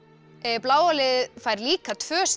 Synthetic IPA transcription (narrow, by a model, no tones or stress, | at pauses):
plaːwɔlɪfajɾliːkat̪ʰv̥œːs